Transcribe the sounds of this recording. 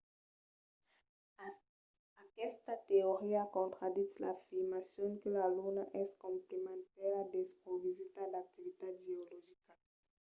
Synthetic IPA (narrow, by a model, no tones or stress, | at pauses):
akɛst̪at̪eoʁiakɔ̃nt̪ʁad̪isla̰fiʁmasjɔ̃ŋkəlalunaʔɛskɔ̃mplemãnt̪ɛʁad̪espɔvizit̪alak̚t̪ivit̪adeoloʒika